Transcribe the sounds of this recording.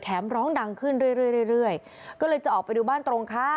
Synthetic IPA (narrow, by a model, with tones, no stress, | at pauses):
t̪ʰɛː˩˦mɾɔː˦˥ŋda˧ŋkʰɯ˥˩nɾɯ˥˩əjɾɯ˥˩jɾɯ˥˩jɾɯ˥˩əj | kɔː˥˩lɤː˧jt͡ɕa˨˩ʔɔː˨˩k̚pa˧jduː˧baː˥˩nt̪ɾo˧ŋkʰa˦˥